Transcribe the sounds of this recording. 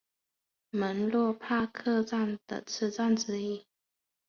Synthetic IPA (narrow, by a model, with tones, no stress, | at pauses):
mə˧˥nlwɔ˥˧pʰa˥˧kʰɤ˥˧t͡sa˥˩nd̪ə̰˨˩t͡s̩ʰ˥˧t͡sa˥˨nʈ͡ʂɻ̩˧˥i˥˩